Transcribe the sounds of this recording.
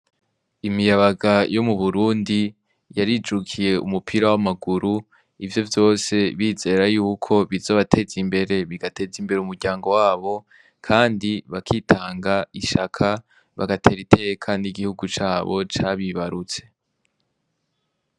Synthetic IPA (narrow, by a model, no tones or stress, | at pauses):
imijaβaɡajo̞muβuɾuːndi | jaɾid͡ʒukʰije̞ʔṵmupʰiɾawamaɡuɾu | ivjo̞vjo̞ːse̞βiːze̞ːɾajuːkʰo̞βizo̞ːβatʰe̞zimbe̞ɾe̞βiɡate̞zimbe̞ɾeumuɾɟaːŋɡo̞waːβo̞ | kʰaːndiβakʰitʰaːŋɡaiʃakʰa | βa̰ɡatʰe̞ɾitʰe̞ːjekʰaːndiɡihuɡut͡ʃaːβo̞t͡ʃaβiβaɾut͡se̞̥